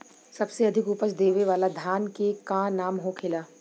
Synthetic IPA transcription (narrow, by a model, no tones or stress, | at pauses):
sɐbseɐd̪ʱɪkupəsd̪eːʋeʋaːlad̪ʱaːnkekãːnaːmɦokʰɪlaː